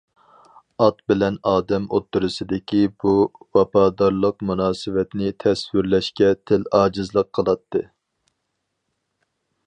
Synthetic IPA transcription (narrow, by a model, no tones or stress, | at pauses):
ɑt̪bɪlɛnɑːd̪ɛmot̪ːuɾɨsɨd̪ɪkʲibuwɑpɑːd̪ɑɾlˠəqmunɑːsɨwɛt̪nɪt̪ʰɛswɪɾlɛʃkʲɛt̪ʰɪlɑːd͡ʒɨzlˠəqʰːəlˠɑt̪ʰːɨ